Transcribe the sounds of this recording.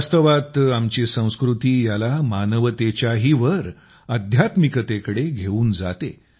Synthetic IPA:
st̪əʋat̪amt͡ɕisə̃w̃skɾut̪iːjalamanəʋət̪et͡ɕjaɦiʋəɾ | əd̪ʱjat̪mikət̪ekəɽeɡʱeuːnd͡za̰t̪ḛ

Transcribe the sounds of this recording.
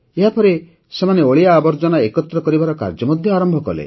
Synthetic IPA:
eɦapɔɾe | semaneoɭijaːbɔɾd͡ʒɔnaekɔt̪ɾɔkɔɾibaɾɔka̰ɾd͡ʒɔmɔd̪ʱjɔaɾɔmbʱɔkɔ̰lḛ

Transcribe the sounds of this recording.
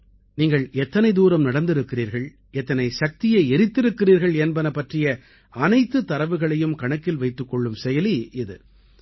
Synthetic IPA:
niːŋɡɐɭɛt̪ːɐnɐɪd̪uːɾɐmnɐɽɐnd̪ɪɾɯkːɪriːɾɣɐɭ | ɛt̪ːɐnɐɪsɐk̚t̪ɪjɐɪɛɾɪt̪ːɪɾɯkːɪriːɾɣɐɭɛnbɐnɐpːɐʈrɪjɐ | ɐnɐɪt̪ːɯt̪ːɐɾɐʋɯɣɐɭɐjɯmkɐɳɐkːɪlʋɐɪt̪ːɯkːɔɭːɯmsɛjɐliʔɪðɯ̰

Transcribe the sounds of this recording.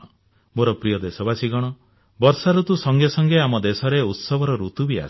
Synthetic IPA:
ɔ | moɾɔpɾijɔd̪esɔbasiɡɔɽ̃ɔ | bɔɾsaɾut̪usɔŋɡjesɔŋɡeamɔd̪esɔɾeut̪sɔbʱɔɾɔɾut̪ubia̰s

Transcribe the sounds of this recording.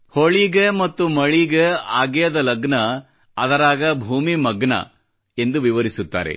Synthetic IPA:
hoɭiɡemɐt̪ːumɐɭiɡeaːɡɛjɐd̪ɐlɐɡnɐ | ɐd̪ɐɾaːɡɐbʱuːmimɐɡɳɐ̰ | e̞nd̪uʋiʋɐɾisut̪ːa̰ːɾe̞̰

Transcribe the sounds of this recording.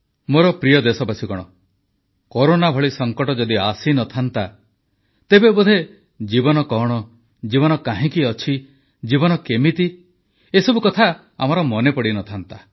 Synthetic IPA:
moɾɔpɾijɔd̪esɔpasikɔɽ̃ɔ | kɔɾonabʱɔɭisɔŋkɔʈɔd͡ʒɔd̪iasinɔt̪ʰant̪a | t̪ebebud̪ʱe | d͡ʒibɔnɔkɔɽ̃ɔ | d͡ʒibɔnɔkaɦĩkiɔt͡ʃʰi | d͡ʒibɔnɔkemit̪i | esɔbukɔt̪ʰa | a̰mɔɾɔmɔnepɔɽinɔt̪ʰant̪a

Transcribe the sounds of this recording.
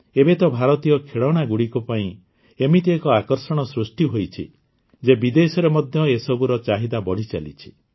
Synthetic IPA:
ebet̪ɔbʱaɾɔt̪ijɔkʰeɭɔɽ̃aɡuɽikupaĩ | emit̪iekɔakɔɾsɔɽ̃ɔsɾusʈiɦojt͡ʃʰḭ | d͡ʒebid̪esɔɾemɔd̪ʱjɔesɔbuɾɔt͡ʃaɦid̪abɔɽ̤it͡ʃa̰lḭt͡ʃʰi̥

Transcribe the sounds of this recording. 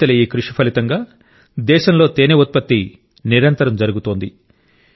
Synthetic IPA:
ɐlɐjeːkɾuʂipʰɐlit̪ɐŋɡaː | d̪ɛːʃɐmlo̞ːt̪eːneut̪̚pɐt̪ːi | niɾɐnt̪ɐɾɐmd͡ʒɐɾuɡut̪oːnd̪i

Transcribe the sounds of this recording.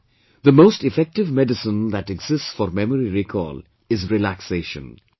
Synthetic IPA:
d̪əmoːstɪfɛk̚ʈɪvmɛɖɨsə̃nd̪æʈɛɡz̥ɪstsfɔɾmɛməɾiɾikʰɔ̰l | ɪzɾilækseʃə̰̃n

